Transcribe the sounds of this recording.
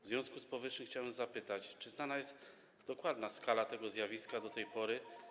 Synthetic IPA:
vzvʲjɔ̃w̃skuspɔvɘʂɘmxt͡ɕawɛmzapɘt̪at͡ɕt͡ʂɘznanajɛst̪ | d̪ɔkwad̪naskalat̪ɛɡɔzʲjavʲiskad̪ɔt̪ɛjpɔɾɘ

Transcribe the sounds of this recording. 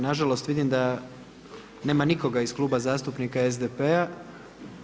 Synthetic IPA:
naʒalˠo̞st̪ʋid̪imd̪a | ne̞ːmaniko̞ɡaisklˠuːbazaːst̪upnikaezd̪epea

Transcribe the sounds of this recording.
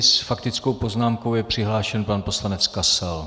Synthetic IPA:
sfakt̪ɪt͡sko̞wpo̞znaːmko̞wjɛpr̝̥ɪɦlaːʃɛnpanpo̞slanɛt͡skasɛl

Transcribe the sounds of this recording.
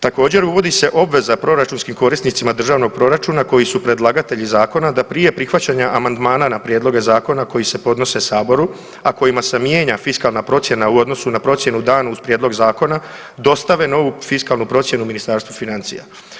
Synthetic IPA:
t̪ako̞ːd͡ʑe̞ɾuʋo̞d̪ise̞ʔo̞bʋe̞zapɾo̞ɾat͡ʃunskimko̞ɾist̪nit̪simad̪r̩ʒaːʋno̞ɡ̚pɾo̞ɾat͡ʃunako̞jisupɾe̞d̪lˠaɡat̪e̞ʎizaːko̞nad̪apɾije̞pɾixʋat͡ɕaɲaʔamand̪maːnanapɾjeːd̪lˠo̞ɡe̞zaːko̞nako̞jise̞po̞d̪no̞se̞saːbo̞ɾu | ako̞imasemjeːɲafiskalnapɾo̞t̪sje̞nauo̞d̪no̞sunapɾo̞t̪sje̞nud̪aːnauzpɾjeːd̪lˠo̞ɡzaːko̞na | d̪o̞st̪aʋe̞no̞ʋufiskalˠnupɾo̞t̪sje̞numinist̪aɾst̪ʋufinant̪sḭja̰

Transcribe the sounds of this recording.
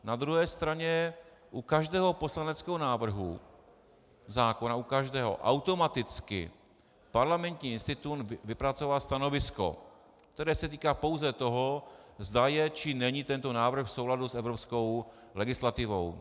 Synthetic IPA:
nad̪ɾuɦɛːst̪ɾaɲɛ | ʔukaʒdɛːɦo̞po̞slanɛt͡skɛɦonaːvr̩ɦṵ | zaːko̞naukaʒdɛːɦo̰ʔa̰wt̪o̞mat̪ɪt͡skɪ̰ | paɾlamɛnt̪ɲiːɪnst̪ɪt̪unvɪpɾat͡so̞valst̪ano̞vɪsko̞̰ | k̚t̪ɛɾɛːsɛt̪̬iːkaːpo̞wzɛt̪o̞ɦozd̪ajɛt͡ʃɪnɛɲit̪ɛnt̪o̞naːvr̩xfso̞wladusɛvɾopsko̞wlɛɡɪslat̪ɪvo̞̰w

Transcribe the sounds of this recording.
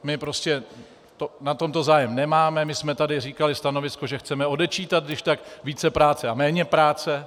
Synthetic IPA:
mɪpɾo̞scɛ | t̪onat̪o̞mt̪o̞zaːjɛmnɛmaːmɛmɪsmɛt̪adɪriːkalɪst̪ano̞vɪsko̞ʒɛxt͡sɛmɛo̞dɛt͡ʃiːt̪at̪ɡdɪʃt̪akviːt͡sɛpɾaːt͡sɛamɛːɲɛpɾaːt͡sɛ

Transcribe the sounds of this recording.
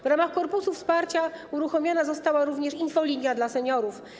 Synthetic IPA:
vɾamaxkɔɾpusufspaɾt͡ɕauɾuxɔmʲjɔnazɔst̪awaɾuvɲɛʂinfɔlʲiɲjad̪lasɛɲɔɾuf

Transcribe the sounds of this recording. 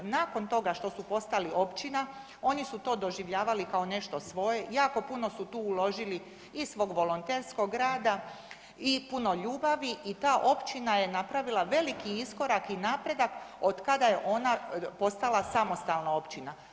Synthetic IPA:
naːko̞nt̪o̞ɡaʃt̪o̞supo̞st̪alio̞pt͡ʃina | o̞nisut̪o̞ːd̪o̞ʒiʋʎaːʋalikaone̞ʃt̪o̞sʋo̞je̞jaːko̞puno̞sut̪uːlo̞ʒili | isʋo̞ːɡʋo̞lont̪eːɾsko̞ɡɾaːd̪a | ipuno̞ʎuːbaʋiʔit̪aːʔo̞pt͡ʃinaje̞napɾaʋilaʋe̞likiisko̞ɾakinaːpɾe̞d̪akod̪kad̪ajeʔo̞napo̞st̪alˠasamost̪alnao̞pt͡ʃina

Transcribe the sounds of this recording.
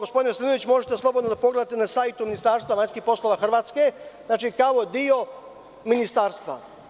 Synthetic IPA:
ɡo̞spd̪ineslinoʋit͡ɕmo̞ʒet̪e̞slˠo̞bod̪nod̪apoɡled̪at̪enasajt̪uminist̪aːɾst̪ʋaʋaɲʲskixpo̞slˠo̞ʋaxr̩ʋaːt̪ske̞znaːt͡ʃikaʋo̞d̪io̞ | minist̪aːɾst̪ʋa̰

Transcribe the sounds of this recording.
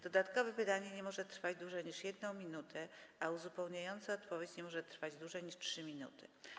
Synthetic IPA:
d̪̥ɔd̪at̪kɔvɛpɨt̪aɲɛɲɛmɔʐɛt̪ɾfad͡ʑd̪wuʐɛɲiʂjɛd̪nɔ̃w̃mʲinut̪ʰɛʔauzupɛwɲajɔnt̪sɛɔt̪pɔvʲjet͡ɕɲɛmɔʐɛt̪ɾfad͡ʑd̪wuʐɛjɲiʂtʂɘmʲinṵt̪ɘ

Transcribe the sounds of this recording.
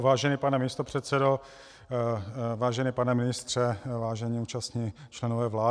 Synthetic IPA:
vaːʒɛniːpanɛmɪst̪opr̝̥ɛt̪sɛdo | vaːʒɛnipanɛmɪnɪst̪r̝̥ɛvaːʒɛɲiuːt͡ʃast̪ɲit͡ʃlɛnovɛːvlaː

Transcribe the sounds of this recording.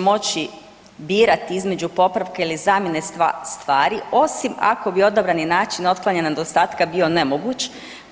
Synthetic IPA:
mo̞t͡ɕi | biːɾat̪iizme̞d͡ʑupo̞pɾaʋkailizaːmjenest̪ʋaːɾio̞sima̰ko̞bio̞d̪abɾaninaːt͡ʃino̞t̪klˠaɲenaned̪ost̪aːt̪kabio̞ne̞mo̞ɡuːt͡ʃ

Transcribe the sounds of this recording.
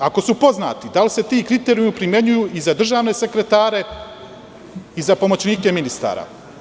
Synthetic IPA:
ako̞supo̞zna̰ːt̪id̪alise̞t̪iːkɾit̪e̞ɾjuupɾimje̞ɲujuːʔizad̪r̩ʒaːʋne̞se̞kɾe̞t̪aːɾe̞ | izapo̞mo̞t͡ɕniːke̞minist̪a̰ːɾa̰

